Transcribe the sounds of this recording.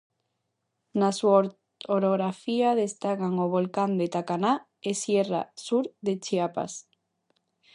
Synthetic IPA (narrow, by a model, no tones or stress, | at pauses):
nasua | oɾoɣɾafiaðest̪akaŋoβolkand̪et̪akana | esjera̰suɾðet͡ʃiapa̰s